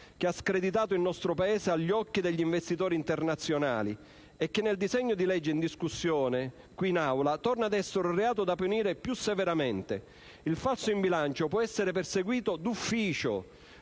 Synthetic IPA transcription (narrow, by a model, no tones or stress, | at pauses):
k̟easkɾed̪it̪̬aːt̪oilnɔst̪ɾopaeːseaʎːiɔkːid̪eʎːiɱvest̪it̪oːɾint̪ernat̪sːjona̰ːli | ɛkːenːeld̪izɛɲːod̪ilɛd͡ʒːeind̪iskusːjɔːne | kwinawlat̪ɔrnad̪ɛsːeɾʊreaːt̪od̪apːuniːɾepjusːeveɾament̪ḛ | ilfalsoimbilant͡ʃopwɔɛsːeɾeperseɡwiːt̪od̪ufːiːt͡ʃo̰